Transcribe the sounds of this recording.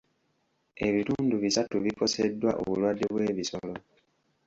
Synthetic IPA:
e̞βituːnduβisatuβiko̞sedːwa̰ʔo̰βulwadːe̞βwe̞ːβiso̞lo̞

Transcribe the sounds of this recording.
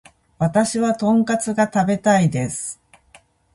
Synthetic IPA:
βat̪aɕiβat̪õ̞ŋkat͡sɨɡat̪abe̞t̪aid̪e̞sɨ̥

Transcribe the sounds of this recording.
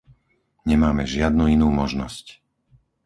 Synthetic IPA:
ɲɛmaːmɛʒɪad̪nuinuːmɔʒnɔsc

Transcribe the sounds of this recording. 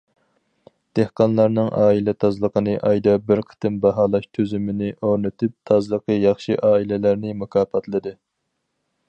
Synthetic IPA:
d̪̥ehqɑnlˠɑɾnɨŋʔɑːilɛt̪ʰɑzlˠəqʰənɨʔɑjd̪ɑbɪɾqʰə̥t̪ɨmbɑɦɑːlˠɑʃt̪ʰøzymɪnɪʔoɾnɨt̪ʰɪp̚t̪ʰɑzlˠəqʰəjɑχʃiʔɑːilɪlæɾnɪmukʰɑːpɑt̪lˠɨd̪ɨ

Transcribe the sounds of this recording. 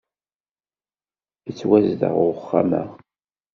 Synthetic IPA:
ət͡sːwæzd̪ə̰ʁʊəχːa̰mə̰ʁ

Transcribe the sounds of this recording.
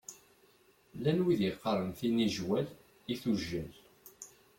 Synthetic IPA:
lænwiðiqːəɾˤənθiniʒwæl | iθuʒːæl

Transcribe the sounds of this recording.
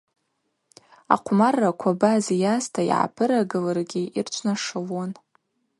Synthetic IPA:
a̰qʷʰmarːakʷʰabazjastʰaḭʕa̰pʰɨɾaɡɨlarɡʲiirt͡ʃʷʰnaʂawon

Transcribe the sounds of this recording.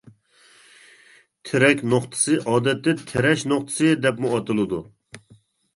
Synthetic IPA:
t̪ʰeɾɛkʲnoχt̪ʰɨ̥sɨʔɑːd̪ɛt̪ːɪt̪ʰeɾɛʃnoχt̪ʰɨ̥sɨd̪ɛpmuɑt̪ɨlˠɨd̪u

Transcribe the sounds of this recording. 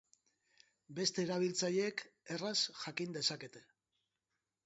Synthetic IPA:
be̞st̪e̞ːɾaβ̞ilt͡saʎeeke̞rasʝakind̪e̞sake̞t̪e̞

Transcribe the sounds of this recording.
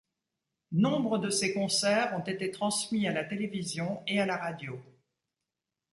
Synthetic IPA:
nɔ̃bʁəd̪əsekɔ̃sɛʁɔ̃t̪et̪et̪χɑ̃smialat̪elevizjɔ̃ealaʁad̪jo

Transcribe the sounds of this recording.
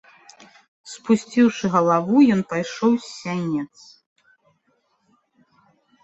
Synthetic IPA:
spusʲt͡sʲiwʂɨɣɐlˠavujɔnpajʂɔwsʲːanʲɛt̪s

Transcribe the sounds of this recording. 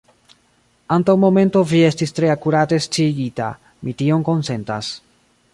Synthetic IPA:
antawmo̞me̞nto̞vie̞stistɾe̞akuɾate̞st͡ʃiɡita̰ | mʔitio̞ŋko̞nse̞ntas

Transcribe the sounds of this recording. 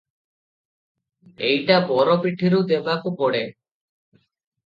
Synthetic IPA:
ejʈabɔɾɔpiʈʰiɾud̪ebakupɔɽe

